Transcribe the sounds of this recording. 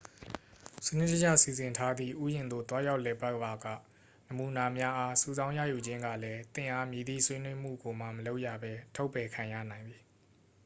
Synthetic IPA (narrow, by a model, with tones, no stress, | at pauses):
sənɪ̰˦˨tə˦d͡ʑa̰˦˨si˨zɪ̃˨ntʰa˦d̪ðḭ˦˨ʔṵ˦˨jɪ̃˨nd̪o̰˦˨t̪wa˦ja˦ʊʔlɛ˨pa˦ʔba˨ɡä̰˦˨ | nəmu˨na˨mja˦ʔa˦su˨zã˦ʊ̃ja̰˦˨ju˨d͡ʑɪ̃˦ŋɡä̰˦˨lɛ˦t̪ɪ̃˦˨ʔa˦mji˨d̪ḭ˦˨sʰwe˦nwe˦m̥ṵ˦˨ɡo˨m̥a˨məlo˦ʊʔja̰˦˨bɛ˦tʰo˦ʊpːɛ˨kʰã˨jä̰˦˨nã˨ɪ̃nd̪i˨